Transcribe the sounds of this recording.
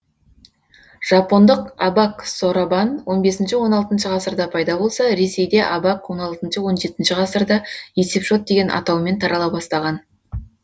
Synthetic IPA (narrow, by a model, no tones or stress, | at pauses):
ʒ̥ɑpo̞nd̪əqɑbɑkso̞ɾabɑnwʔo̞nbe̞sɪnʃɪwo̞nɑlˠt̪ənʃəʁɑsəɾd̪ɑpʰɑjd̪ɑbo̞lˠsɑɾe̞se̞jd̪e̞ʔɑbɑkwo̞nɑlˠt̪ənʃəwo̞nʒe̞t̪ɪnʃɪʁɑsəɾd̪ɑje̞se̞pʒo̞t̪̚d̪e̞ɡʲenʔɑ̰t̪ɑwme̞nt̪ʰɑɾʔɑlˠɑbɑst̪ɑʁɑn